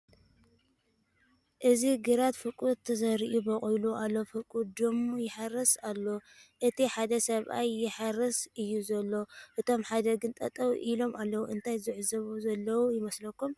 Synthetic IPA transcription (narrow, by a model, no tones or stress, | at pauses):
ʔɨziɡɨɾat̪fɨkʼut̪ʰːɐsɐɾiʔubɐχʼojluʔalːofɨkʼud̪omjɪħaɾːɐsalːo̞ʔɨt̪ʰiħad̪ɐsɐβʔajːɪħaɾːɐsʔɨjːuzɐlːo̞ʔɨt̪ʰo̞mħad̪ɐɡɨnt̪ʼɐt̪ʼɐwʔilo̞mʔalːɐwuʔɨnt̪ʰajzɨʕzɐβuzɐlːɐwujɪmɐslɐkːum